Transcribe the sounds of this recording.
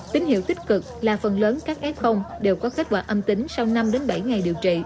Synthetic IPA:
t̪ï˨˦ŋ̟hḭ˧˨wt̪ï˦˥k̟̚kɨ˨˩k̚laː˨˩fə˨˩nləː˨˦nkaː˦˥k̚ʔɛ˦˥p̚xə˧wŋ͡mɗe˨˩wkɔ˨˦ke˦˥t̟̚kwa̰ː˧˩ʔə˧mt̪ï˨˦ŋ̟sa˧wna˧mɗe˨˦nɓa˧˩jŋa˨˩jɗi˨˩əwt͡ɕḭ˧˨

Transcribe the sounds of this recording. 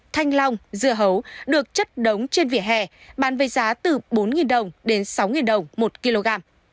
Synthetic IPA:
t̪ʰa˧jŋ̟la˧wŋ͡mzɨ˧˨əɦə˨˦wɗɨ˨˩ək̚t͡ɕə˦˥t̚ɗə˨˦wŋ͡mt͡ɕe˧nvḭ˧˨əɦɛ˧˩ɓaː˧˩nve˨˦jzaː˨˦t̪ɨ˨˩ɓo˨˦nŋi˨˩nɗə˨˩wŋ͡mɗe˨˦nsa˨˦wŋi˨˩nɗə˨˩wŋ͡mmo˨˩t̚ki˧lo˧ɣaː˧m

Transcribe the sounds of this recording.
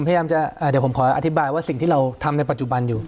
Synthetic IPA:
mʰa˧jaː˧mt͡ɕa˨˩ʔaː˧˩de˩˦wʰpʰmkʰɔː˩˦ʔa̰˧t̪ʰi˦˥baː˧jwaː˥˩si˨˩ŋt̪iː˥˩ɾa˧wt̪ʰa˧mna˧jpa˨t̪̚t͡ɕu˨˩ba˧njuː˨˩

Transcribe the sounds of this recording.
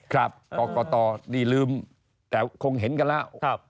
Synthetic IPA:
kʰɾaː˧˩p̚kɔ˧˩kɔ˧t̪ɔ˧˩ɗi˧˩lɨ˧m | t̪ɛ˨˧˩ko˧ŋɦe˨˦nka˧˩laː˧˨w̚

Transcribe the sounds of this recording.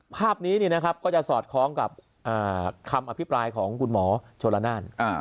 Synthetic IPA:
pʰaː˥˩p̚niː˦˥niː˥˩na˦˥kʰa˦˥p̚kɔː˥˩t͡ɕa˨˩sɔː˨˩t̪̚kʰɾɔː˦˥ŋka˨˩p̚ | ʔaː˨˩kʰa˧mʔa˧pʰi˦˥pɾaː˧jkʰɔː˩˦ŋkʰu˧nmɔː˩˦t͡ɕʰoː˧nla˧naː˥˩na˧˩

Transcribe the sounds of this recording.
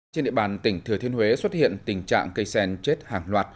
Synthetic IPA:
t͡ɕnɗḭ˧˨ɓaː˨˩nt̪ï˧˩ŋ̟t̪ʰɨ˨˩ət̪ʰi˧ənhwe˨˦swə˦˥t̚hḭ˧ənt̪ï˨˩ŋ̟t͡ɕa̰ː˧˨ŋkə˧jsɛ˧nt͡ɕe˦˥t̚haː˨˩ŋlwaː˨˩t̚

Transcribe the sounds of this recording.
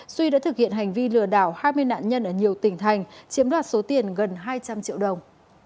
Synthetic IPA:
swi˧ɗa̰ː˧˥t̪ʰɨ˨˩k̚hḭ˧˨ənha˨˩jŋ̟vi˧lɨ˨˩əɗaː˧˩whaː˧jmɨ˧əjna̰ː˧˨nɲə˧nʔəː˧˩ɲi˨˩əwt̪ï˧˩ŋ̟t̪ʰa˨˩jŋ̟t͡ɕi˨˦əmɗwaː˨˩t̚so˨˦t̪i˨˩ənɣə˨˩nɦaː˧jt͡ɕa˧mt͡ɕḭ˧əwɗə˨˩wŋ͡m

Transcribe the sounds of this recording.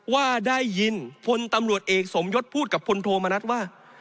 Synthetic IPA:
waː˥˩daː˥˩jːi˧npʰo˧nt̪a˧mɾu˨˩ət̪̚ʔeː˨˩k̚so˩˦mjo˦˥t̪̚pʰuː˥˩t̪̚ka˨˩pʰːo˧nt̪ʰoː˧ma˧na˦˥t̪̚waː˥˩

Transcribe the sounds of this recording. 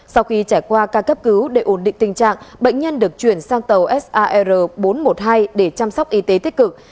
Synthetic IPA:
sa˧wxi˧t͡ɕaː˧˩jkwaː˧kaː˧kːə˦˥p̚kɨ˨˦wɗe˧˩ʔo˧˩nɗḭ˧˨ŋ̟t̪ï˨˩ŋ̟t͡ɕa̰ː˧˨ŋɓə̰˧˨jŋ̟ɲə˧nɗɨ˨˩ək̚t͡ɕwi˧˩ənsaː˧ŋt̪ə˨˩wʔɛ˦˥sʔaː˧ʔɛ˧zəː˨˩ɓo˨˦nmo˨˩t̚ɦaː˧jɗe˧˩t͡ɕa˧msk͡p̚ʔi˨˦t̪e˨˦t̪i˦˥t̚kɨ˨˩k̚

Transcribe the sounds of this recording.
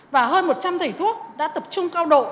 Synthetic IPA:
vaː˨˩ɦəː˧nmo˨˩t̚t͡ɕa˧mt̪ʰə˨˩jt̪ʰu˦˥ək̚ɗa̰ː˧˥t̪ə˨˩p̚t͡ɕʊ˧ŋ͡mkaː˧wɗo̰˧˨

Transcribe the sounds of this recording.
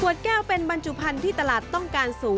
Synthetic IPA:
kʰu˨˩ət̪̚kɛː˥˩wpe˧nba˧nt͡ɕu˨˩pʰa˧nt̪ʰiː˥˩t̪a˧laː˨˩t̪ːɔ˥˩ŋkaː˧nsuː˩˦ŋ

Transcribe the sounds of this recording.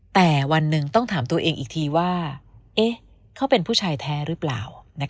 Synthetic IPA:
t̪ɛː˨˩wa˧nːɯ˨˧ŋt̪ɔ˥˩ŋt̪ʰaː˩˦mt̪u˧ɐʔeː˧ŋʔiː˨˩k̚t̪ʰiː˧waː˥˩ʔe˦˥ | kʰa˦˥wpe˧npʰuː˥˩t͡ɕʰaː˧jt̪ʰɛː˦˥ɾɯː˦˥pla̰ː˨˩wna˦˥k

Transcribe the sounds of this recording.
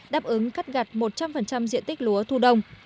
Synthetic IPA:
ɗaː˦˥p̚ʔɨ˨˦ŋka˦˥t̚ɣa˨˩t̚mo˨˩t̚t͡ɕa˧mfə˨˩nt͡ɕa˧mzḭ˧˨ənt̪ï˦˥k̟̚lu˨˦ət̪ʰu˧ɗə˧wŋ͡m

